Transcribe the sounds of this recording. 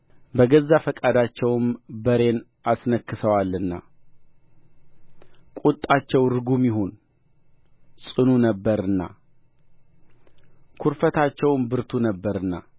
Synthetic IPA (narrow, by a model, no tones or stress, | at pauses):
bəɡəzːafəkʼad̪at͡ʃːɛwɨmbəɾe̞n | asnəkːɨsəwalːɨnːa̰ | kʼut̪ʼːat͡ʃːɛwɾɨɡumjɪɦon | sʼɨnunəbːəɾɨnːa̰ | kʰuɾfət̪ʰat͡ʃːɛwmbɨɾt̪ʰunəbːəɾɨnːa